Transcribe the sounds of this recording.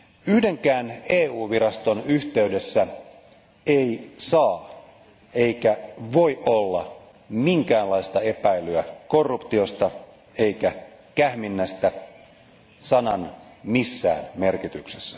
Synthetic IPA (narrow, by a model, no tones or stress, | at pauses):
yhde̞ŋkæːneːuːʋiɾɑst̪o̞nyht̪e̞yde̞sːæ | eisɑː | e̞ijkæʋo̞iʔolːɑ | miŋkæːnlɑist̪ɑe̞pæilyæko̞rːupt̪io̞st̪ɑ | e̞ikæ | kæhminːæst̪æ | sɑnɑnmisːæ̰ːnme̞rkit̪yksesːæ̥